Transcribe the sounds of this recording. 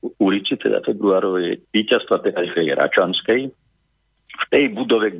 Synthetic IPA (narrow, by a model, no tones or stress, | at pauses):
ulit͡sit̪ɛ̰d̪a̰fɛbɾuaːɾɔʋjɛ̰diːcast̪ʋat̪ɛalifɛjɾa̰t͡ʃanskɛj | ft̪ɛjbud̪ɔʋɛɡ